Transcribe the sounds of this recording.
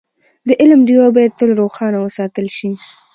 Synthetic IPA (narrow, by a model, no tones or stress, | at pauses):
d̪əʔɪlmɖiwabɑjad̪̚t̪əlɾoxɑnawəsɑt̪əlʃi